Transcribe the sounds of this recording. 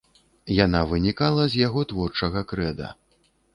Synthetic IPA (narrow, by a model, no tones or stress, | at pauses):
janavɨnʲikalˠɐzʲjaɣɔt̪vɔrt͡ʂɐɣɐkɾɛd̪ɐ̰